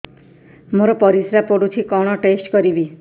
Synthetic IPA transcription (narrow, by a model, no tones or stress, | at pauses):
moɾɔpɔɾisɾapoɽut̪ʰikɔɽ̃ɔʈesʈkɔɾibi